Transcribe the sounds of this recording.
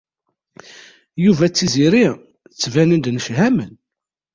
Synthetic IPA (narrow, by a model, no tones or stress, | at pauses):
juvæt͡sːiziɾi | t͡sːvænənd̪nəʃhæmən